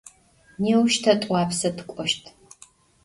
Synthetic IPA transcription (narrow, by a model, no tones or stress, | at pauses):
neːwʃtʰɐtʼʷɑːpsɐtʰɨ̥kʷʼɔʃtʰ